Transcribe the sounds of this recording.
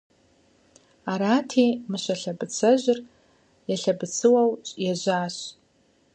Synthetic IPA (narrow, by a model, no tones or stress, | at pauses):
aɾaːtʰeːmɨɕɐɬɐbɨt͡sʰɐʑɪr | jaɬɐbɨt͡sʰɨwɐwt͡ʃʼjaʑʷaːɕ